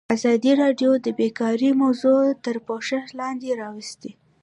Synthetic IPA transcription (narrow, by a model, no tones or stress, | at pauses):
azɑd̪iɾɑɖjod̪əbekɑɾimawzot̪əɾpoʃəxlɑnd̪eɾɑwəst̪i